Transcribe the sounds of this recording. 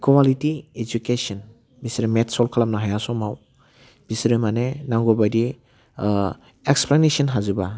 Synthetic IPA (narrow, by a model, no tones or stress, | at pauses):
kwalitied͡ʒukesɔn | bisɾimetsɔlkʰalamnaɦajasɔmaw | b̥isɾimanenaŋɡɔbajdi | eksplanesanɦazuba